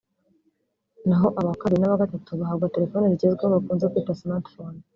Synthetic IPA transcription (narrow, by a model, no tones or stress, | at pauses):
naɦo̞ʔaβakaβiinaβaɡatatuβaɦaːβɡate̞ɾe̞fo̞ːneɾiɟezɡweaβakuːnzekwiːtasmaɾtfon